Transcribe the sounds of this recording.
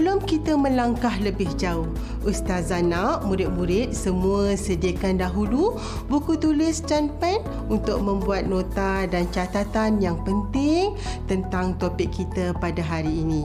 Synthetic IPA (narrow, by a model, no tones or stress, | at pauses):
bəlʊmkit̪amə̃laŋkahləbɪhd͡ʒaʊh | ust̪azanaʔmũɾɪt̪̚mũɾɪt̪̚səmũəsədiakandaɦulu | bukut̪ulɪst͡ʃanpɛn | unt̪ʊk̚mə̃mbuat̪̚nõt̪adant͡ʃat̪at̪anjaŋpənt̪ɪŋ | t̪ənt̪aŋt̪opɪkʰːit̪apadaɦaɾiːnĩ